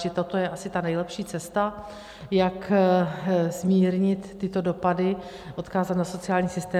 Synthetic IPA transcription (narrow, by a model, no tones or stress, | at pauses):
ɪt̪ot̪o̞jɛʔasɪt̪anɛjlɛpʃiːt͡sɛst̪a | jak | zmiːɾɲɪt̪ːɪt̪o̞do̞padɪ | ʔo̞t̪kaːzat̪naso̞t͡sɪaːlɲiːsɪst̪ɛː